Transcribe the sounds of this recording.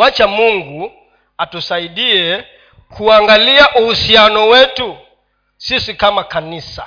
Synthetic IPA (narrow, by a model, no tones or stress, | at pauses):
at͡ʃamuŋɡu | atusaiɗiɛ | kʰuaŋɡaliaʔuhusianɔwɛtu | sisikamakanisa̰